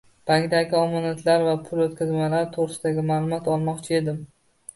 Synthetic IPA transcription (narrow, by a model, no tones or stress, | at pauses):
b̥aŋd̪aɡʲɪɒmɒnat̪ʰlaɾvapʰʊlot̪̚kʰʲazmalaɾɪt̪ʰoʁɾɪsɪd̪aɡʲɪmaːlˠʊmɒt̪ɒlˠmɒqt͡ʃʰɪe̞d̪ɪm